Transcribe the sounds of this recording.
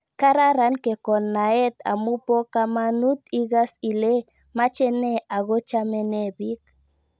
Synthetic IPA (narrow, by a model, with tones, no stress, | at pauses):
ka˦ɾa˦ɾa˦nke˨kɔ˨nːa˨ɛ˦t̪a̰˨mu˦po˦ka˦manu˦t̪i˦ɣa˦si˨le˦ | ma˦t͡ʃɛ˦nɛ˦a˨ɣo˦t͡ʃa˦mɛ˦nɛ˦bi˦k